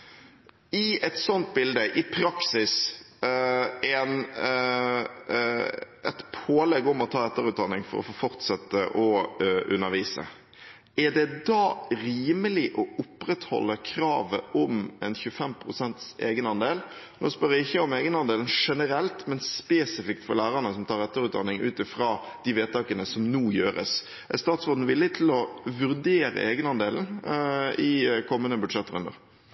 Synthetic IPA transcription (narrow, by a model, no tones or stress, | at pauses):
ɪɛt̪sɔnt̪̚bɪld̪əʔɪpʰɾɑksɪs | ɛn | ɛt̪pʰoːlɛɡːɔmɔt̪ʰɑːɛt̪ːəɾʉːt̪̚d̪ɑnːɪŋfɔ̰ɾɔ̰foːfɔɾt̪sɛt̪ːəʔɔʉ̰nːəɾʋiːsə̰ | æɖɛd̪ɑːɾiːməlɪʔɔʊpɾɛt̪hɔ̰lːəkʰɾɑːʋəʔɔmɛnçʉfɛmpʰɾʊsɛnt̪seːɡənɑnd̪eːl | noːspœɾɪçːəɔmeːɡənɑnd̪eːln̩ʂɛnəɾɛlt̪mɛnspeːsɪfɪk̚t̪fɔɾlæːɾɑnəsɔmt̪ʰɑːɾɛt̪ːəɾʉːt̪d̪ɑ̰nːɪŋʔʉ̰ːt̪ɪfɾɑː | d̪̥ɪʋeːt̪ɑːkənəsɔmnuːjøːɾə̰s | ʔɛ̰st̪ɑːt̪sɔd̪n̩ʋɪlːɪt̪ʰɪlɔʋʉɾd̪eːɾə̰ʔeːɡənɑnd̪eːln̩ | ɪkʰɔmːənəbʉd̪ʂɛt̪ːəɾʉ̰nə̰ʁ